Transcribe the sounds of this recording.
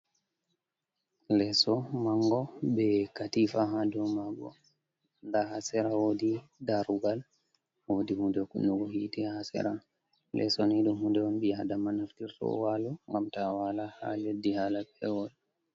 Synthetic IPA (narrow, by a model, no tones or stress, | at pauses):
lɛsɔmaŋɡɔbɛkatifaɦadɔmaɡɔ̰ | ndahasɛɾawodidaɾuɡal | wodihundɛkṵnuɡɔhitihasɛ̰ɾan | lɛ̰sɔniɗumhundɛɔnɓiadamanaftiɾtɔ̰walɔŋɡamtawalaha̰ledːihalapɛwɔl